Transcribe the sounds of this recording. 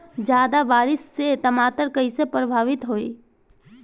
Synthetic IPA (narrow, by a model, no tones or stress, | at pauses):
d͡ʒjaːd̪aʋaːɾɪsːet̪əmaːt̪əɾkəisepɾəbʱaːʋɪt̪ɦoḭ